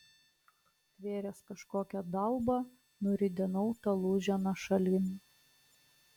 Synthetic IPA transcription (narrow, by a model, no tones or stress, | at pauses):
t̪ʲʋʲeːɾʲɛskɐʃkoːkʲɛd̪ɐlˠbɐ | nʊɾʲɪd̪ʲɛnɔʊt̪ɐlˠuːʒʲɛnɐʃɐlʲɪnʲ